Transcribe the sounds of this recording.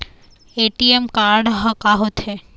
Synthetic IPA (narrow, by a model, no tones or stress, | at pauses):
eʈiemkaɾɖɦəkaɦot̪ʰe